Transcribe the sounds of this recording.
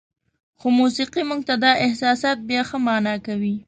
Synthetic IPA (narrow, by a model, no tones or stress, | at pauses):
xomusiqimuɡ̚t̪ad̪ɑʔɪhsɑsɑt̪̚bjɑxəmɑnɑkawi